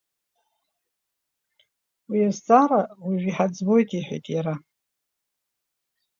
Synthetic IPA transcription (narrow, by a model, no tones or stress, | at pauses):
wiazt͡sʼaɾawiʒʷᶣiħad͡zbojtʼiħʷa̰jtʼjaɾa